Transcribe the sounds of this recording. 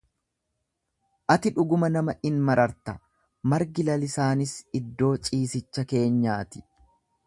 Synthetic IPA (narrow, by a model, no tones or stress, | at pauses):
ʔɐt̪ɪᶑʊɡʊmɐnɐmɐʔɪnmɐɾɐɾt̪ɐ | mɐɾɡɪlɐlɪsaːnɪsɪd̪ːo̞ːt͡ʃʼiːsɪt͡ʃːɐke̞ːɲːaːt̪ɪ̥